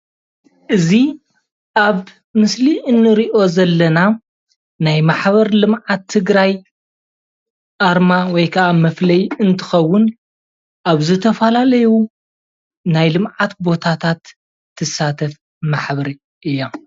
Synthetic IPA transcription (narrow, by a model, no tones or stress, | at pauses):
ʔɨzi | ʔaβ | mɨsliʔɨnːɨɾiʔo̞zɐlːɐna | najmaħβɐɾlɨmʕat̪ʰːɨɡɾaj | ʔaɾmawɔjkʰɐʔamɐflɐjɨnt̪ʰɨ̥xɐwːʊn | ʔaβzɨt̪ʰɐfɐlalɐju | najlɨmʕat̪bo̞t̪ʰat̪ʰat̪ʰː | ɨsat̪ʰɐf | maħβɐɾi | ʔɨjːo